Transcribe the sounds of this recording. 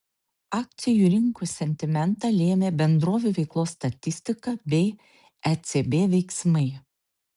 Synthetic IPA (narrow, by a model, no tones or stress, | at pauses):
ɑːk̚t̪sʲɪjuːɾʲɪŋkuːsʲɛnʲt̪ʲɪmʲɛnˑt̪ɐlʲeːmʲeːbʲɛnd̪ɾoːʋʲuʋʲɛɪklˠoːsːt̪ɐt̪ʲɪsʲt̪ʲɪkɐbʲɛɪ | ɛt̪sʲebʲeːʋʲɛɪksmɐɪ